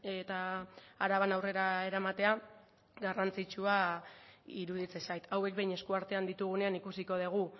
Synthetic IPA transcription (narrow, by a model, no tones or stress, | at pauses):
et̪aːɾaβanawre̞ɾae̞ɾamat̪e̞a | ɡarant͡sit͡ʃua | iɾuð̞it͡se̞sajt̪awe̞k̚be̞jɲe̞skuaɾt̪e̞and̪it̪uɣ̞une̞anikusiko̞ð̞eɣ̞u